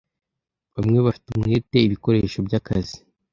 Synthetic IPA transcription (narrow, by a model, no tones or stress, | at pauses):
βamŋe̞βafi̥tumŋeːte̞iβiko̞ɾe̞ːʃo̞bjakazi